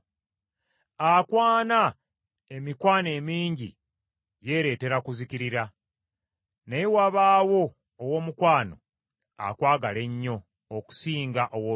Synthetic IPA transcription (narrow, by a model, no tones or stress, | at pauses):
akwaːna | e̞mikwaːne̞ːmiːɲɟḭ | je̞ɾe̞ːte̞ɾakuziciɾiɾa | nejewaβaːwo̞ː | wo̞ːmukwaːno̞̰ | a̰kwaːɡale̞ɲːo̞ː | ku̥siːŋɡaʔowo